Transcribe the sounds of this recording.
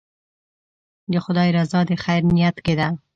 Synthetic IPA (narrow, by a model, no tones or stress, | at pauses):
d̪əxʊd̪ɑɾazɑd̪exajɾnijat̪ked̪a